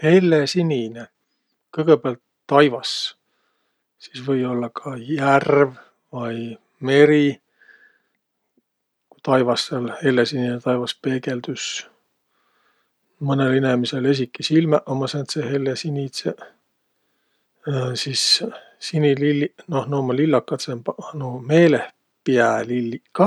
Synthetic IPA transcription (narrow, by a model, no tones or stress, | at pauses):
he̞lːesinʲine | kɤjɡ̥ebeɑlt̪ːɑjvɑs | sisvɤjo̞lːɑkʰɑjærv | vɑj | me̞ɾi | kut̪ɑjvɑsːelhe̞lːesininet̪ɑjvɑspe̞ːɡe̞ld̪ys | mɤnelenemise̞le̞s̬ʲikːisilmæʔomːɑsent̪sehelːesinʲit̪se | sis | sinililːino̞hnoːmɑlilːɑkːˑɑt̪sempɑnume̞ːleh | piælilːikːɑ